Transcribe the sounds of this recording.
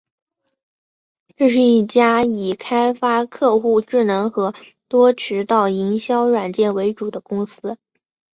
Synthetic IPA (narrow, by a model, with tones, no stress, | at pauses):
ʈ͡ʂɤ˥˧ʂ̬ɻ̩˥˧i˥˩t͡ɕja˥i˨˩kʰa˥ɪfa˥kʰɤ˥˧xu˥˧ʈ͡ʂɻ̩˥˩nɤ˧˥ŋxɤ˧˥ | t̪wɔ˥ʈ͡ʂʰɻ̩˧˥t̪ɑ˥˩ʊi˧˥ŋɕjɑ˥ʊɻwa˨˩nt͡ɕjɛ˥˩nwe˧˥ɪʈ͡ʂu˨˩d̪ə˦kʊ˥ŋsɹ̩˥